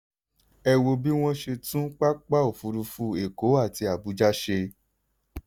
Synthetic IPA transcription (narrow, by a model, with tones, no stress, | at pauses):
ɛ˧wo˧bi˦w̃ɔ̃˦ʃe˧tũ˦k͡pa˦k͡pa˦o˨fu˧ɾu˧fu˧˦e˨ko˨˦a˦˨ti˧a˨bu˨˦d͡ʒa˦ʃe˧